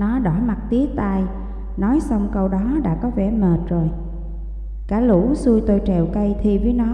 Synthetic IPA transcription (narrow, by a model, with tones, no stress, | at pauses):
nɔ˨˦ɗɔ˧˩ma˨˩t̚t̪i˦˥ək̚t̪aː˧j | nɔ˨˦jsa˧wŋ͡mkə˧wɗɔ˨˦ɗa̰ː˧˥kɔ˨˦vɛ˧˩məː˨˩t̚zo˨˩j | kaː˧˩lṵ˧˥su˧əjt̪o˧jt͡ɕɛ˨˩wkə˧jt̪ʰi˧vəː˨˦jnɔ˨˦